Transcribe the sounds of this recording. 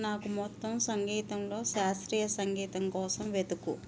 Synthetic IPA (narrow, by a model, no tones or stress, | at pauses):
naːkumɔt̪ːɐmsɐŋɡiːt̪ɐmlo̞ːʃaːst̪ɾiːjɐsɐŋɡiːt̪ɐmkɔːsɐmʋe̞d̪ukṵ